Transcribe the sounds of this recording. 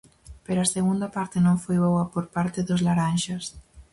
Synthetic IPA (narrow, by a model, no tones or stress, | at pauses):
peɾoaseɣund̪ɐpaɾt̪enõɱfojβowɐpoɾpaɾt̪ɪðozlaɾanʃas